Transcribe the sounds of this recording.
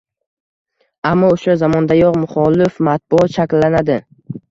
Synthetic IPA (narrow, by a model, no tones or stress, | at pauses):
amːɒʊʃazamɒnd̪ajɒqmʊχɒlɪfmat̪̚bʊɒt̪ʃakʲlːanad̪ɪ